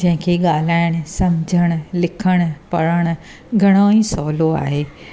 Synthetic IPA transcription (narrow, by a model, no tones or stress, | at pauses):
d͡ʒɐ̃ɦɪ̃kʰeɠaːlaːɪɽ̃ʊsɐmd͡ʑʱəɽ̃lɪkʰəɽ̃əpɐɾəɽ̃̆ | ɡʱɐɽ̃oĩːsɔːloa̰ːɦeː